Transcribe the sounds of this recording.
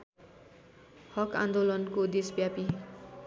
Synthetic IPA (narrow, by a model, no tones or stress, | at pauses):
hʌkã̰nd̪olʌnkod̪esbjapi